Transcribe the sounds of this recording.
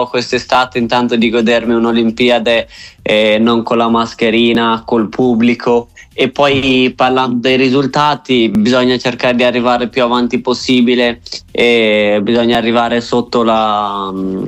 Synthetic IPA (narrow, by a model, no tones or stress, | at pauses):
kwest̪est̪aːt̪eint̪ant̪od̪iɡod̪ermiunolimpiːad̪e | noŋkonlamaskeɾiːnakolpʰubːlikʰoepːɔjparland̪od̪ejɾizult̪aːt̪ibizɔɲːat͡ʃerkaːɾed̪iarːivaːɾepjuavant̪iposːiːbileebizɔɲːaːrːivaːɾesot̪ːola